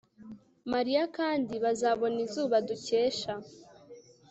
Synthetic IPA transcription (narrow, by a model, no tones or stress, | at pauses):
maɾijakaːndiβazaβo̞nizuːβaduceːʃa